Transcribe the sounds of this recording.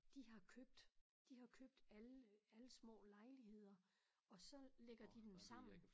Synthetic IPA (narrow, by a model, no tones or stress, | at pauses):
d̥iɦɑ̈kʰøb̥̚d̥ | d̥ihɑ̈kʰøb̥̚d̥ælæləsmɔ̰̽ːlɑ̈ɪliɦe̝ð̰ˠɐɒ̽sɒ̽leɡ̥ɐd̥id̥emsɑ̈m̰n̩